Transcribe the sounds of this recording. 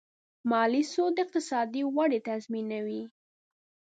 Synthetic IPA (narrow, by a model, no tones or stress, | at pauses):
mɑlisod̪əɪq̚t̪ɪsɑd̪iwaɽet̪azminawi